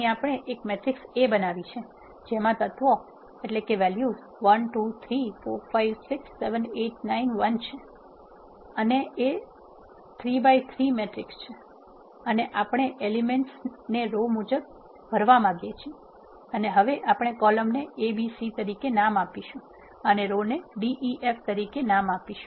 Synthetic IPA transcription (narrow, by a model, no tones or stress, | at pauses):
iapɽ̃eʔekmeʈɾɪksebənaʋit͡ʃʰe | d͡ʒemãt̪ət̪ʋo | eʈlekeʋɛlju | ʋənʈut̪ʰɾifoɾfajʋsɪksːeʋəneʈ̚nainʋənt͡ʃʰe | ənee | t̪ʰɾibajt̪ʰɾimeʈɾɪkst͡ʃʰe | əneʔapɳ̃eʔelimeɳʈsneɾomud͡ʒəb̚ | bʱəɾʋamãɡjet͡ʃʰie | əneɦəʋeʔapɽ̃ɳ̃ekɔləmneebisit̪əɾikenamapiʃũ | əneɾoneɖiʔiʔeft̪əɾikenamapiʃũ